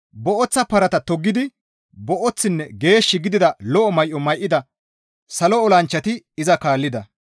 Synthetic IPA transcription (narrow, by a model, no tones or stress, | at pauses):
bɔʔɔt͡sːɐpɐɾɐt̪ɐt̪ɔɡːɪd̪ɪ | bɔʔɔt͡sːɪnːɛɡe̞ːʃːɪɡɪd̪ɪd̪ɐlɔʔɔmɐjʔɔmɐjʔːɪd̪ɐ | sɐlɔɔlɐnt͡ʃːɐt̪ɪ | ɪzɐkaːlːɪd̪ɐ